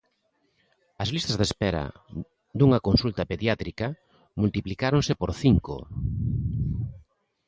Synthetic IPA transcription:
ɐzlist̪azðespɛɾɐ̰ | d̪uŋɐkonsult̪ɐpeðjat̪ɾika | mult̪iplikaɾonsepoɾθiŋko̰

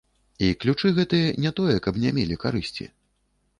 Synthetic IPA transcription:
iklʲut͡ʂɨɣɛt̪ɨjɛnʲɛt̪ɔjɛkɐpnʲɛmʲelʲikaɾɨsʲt͡sʲḭ

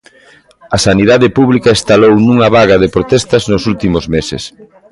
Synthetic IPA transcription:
ɐsaniðaðɪpuβlikɐest̪alownũŋɐβaɣɐðepɾot̪ɛst̪ɐznosult̪imʊzmesɪ̰s

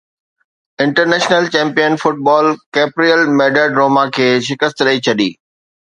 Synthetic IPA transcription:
ɪ̃ɳʈəɾneːʃnəlt͡ɕɛ̃ːmpijənfʊʈ̚bɔːlkeːpɾijəlmɛːɖəɖɾoːmakʰeːʃɪkəst̪ɾəit͡ɕʰɐɗiː

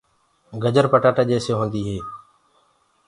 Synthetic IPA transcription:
ɡəd͡ʒəɾpəʈaːʈaːd͡ʒeːsjoːɦõːnd̪iːɦeː

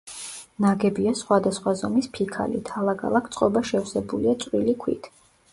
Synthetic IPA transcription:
naɡɛbiasχwad̪asχwazɔmispʰikʰa̰lḭt̪ʰalˠakʰa̰lˠakʰt̪sʼqʼɔbaʃɛfsɛbuliat̪sʼwilikʰwḭt̪ʰ

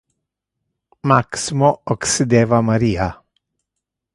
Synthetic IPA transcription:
maksɪmoɔksɪd̪eːvamaɾiːa

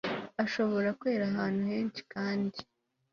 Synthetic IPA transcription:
aʃo̞βo̞ɾakwe̞ːɾaɦaːnhuhe̞ːnt͡ʃi̥kaːndi

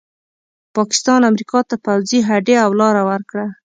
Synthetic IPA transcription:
pɑkɪ̥st̪ɑnamɾikɑt̪apawziɦaɖeawlɑɾawəɾkɽa

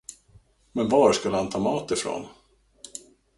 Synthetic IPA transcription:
mɛnvɑːɾʂkɵlːəhant̪ʰɑːmɑːt̪ɪfɾo̰ːn

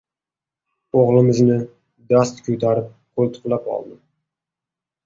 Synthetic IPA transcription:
oʁlˠɪmɪznɪ | d̪ast̪kʲʰɵt̪ʰaɾɪp̚qʰolˠt̪ʰʊ̥qlˠapɒ̰lˠd̪ɪ

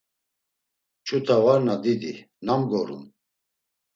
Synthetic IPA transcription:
t͡ʃʰut̪ʰavaɾnad̪id̪i | namɡɔɾṵm

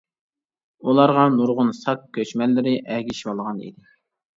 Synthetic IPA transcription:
ulˠɑɾʁɑnuɾʁʊnsɑk̚kʲʰːøt͡ʃmɛlːɪɾɪʔɛɡʲiʃwɑlˠʁɑnḭd̪ɪ

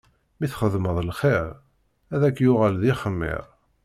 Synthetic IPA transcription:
miθχəðməðˤlχeɾ | æðækːjʊʁælðiχəmːɪ̰ɾˤ

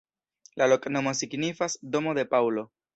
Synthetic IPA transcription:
lalo̞kno̞mo̞siɡnifasdo̞mo̞de̞pawlo̞

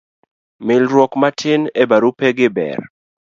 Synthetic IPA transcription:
mɪlɾwɔkmatʰɪnebaɾupɛɡɪbɛ̰r

